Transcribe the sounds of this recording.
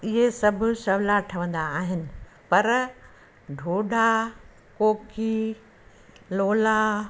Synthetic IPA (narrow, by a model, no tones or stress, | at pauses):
ɪɦesɐbʱʊ̆sɐʋlaʈʰɐʋə̃nd̪aːɦɪnɪ̆pɐɾ | ɖʱoːɖa | koːkiː | loːlaː